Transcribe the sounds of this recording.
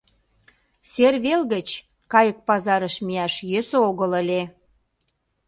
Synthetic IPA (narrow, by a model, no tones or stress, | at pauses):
serβelɣə̆t͡ɕ | kɑjək̚pɑzɑɾəʃmiæʃjø̆soɣələ̆lʲe